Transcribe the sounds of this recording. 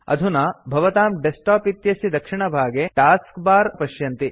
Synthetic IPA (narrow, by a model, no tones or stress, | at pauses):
ɐ̰d̪ʱunɐbʱɐʋɐt̪aːmɖesʈaːpit̪jɐsid̪ɐkʂiɳɐbʱaːɡeʈaːskbaːɾpɐʃjɐnt̪i